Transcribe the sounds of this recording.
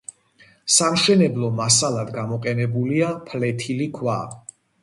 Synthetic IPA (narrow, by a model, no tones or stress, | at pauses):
samʃɛnɛblˠɔmasalˠad̪ɡamɔqʼɛnɛbuliapʰlɛt̪ʰilikʰwa̰